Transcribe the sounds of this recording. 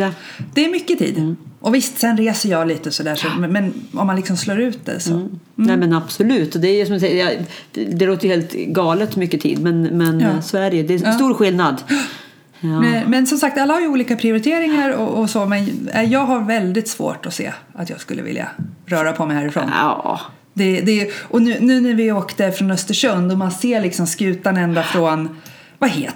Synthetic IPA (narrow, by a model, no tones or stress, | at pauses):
d̪̥ɛæɾmʏkːət̪ʰḭːd̪ʔɔvɪst̪sɛnɾeːsəjɑːliːt̪əsɔd̪æːʂɔmmɛnɔ̰mːanlɪksɔmsloːɾʉ̟ːt̪̚d̪ɛ̰sɔ̰ | nɛmɛnab̥sɔlʉ̟ːt̪ɔd̪ɛːjsɔmd̪sɛjjɑ | d̪ɛloːt̪əjəheːlt̪ɡɑːlət̪mʏkːət̪ʰḭːd̪mɛnmɛnsvææɾjəd̪ɛsːt̪uːɾɧɪlnad̪ | mɛmɛnsɔmsak̚t̪alːahaɾjɵuːliːkapʰɾɪʊɾɪt̪ʰeːɾɪŋaɾɔʔɔsɔmɛnɛjɑːɡɦaɾvɛld̪ɪt̪sv̥o̰ːʈɔsḛːat̪jɑ̰ːɡskɵlːə̰vɪ̰lja̰ɾœːɾapʰɔmɛjhæːɾɪfɾo̰ːnɑ̰ː | d̪ɛd̪ɛʔɔnʉ̟ːnʉ̟ːnæɾvɪoːkt̪əfɾɔnœst̪əʂɵnd̪ɔmanseːɭɪksɔmskʉ̟ːt̪anɛnd̪afɾɔn | vaheː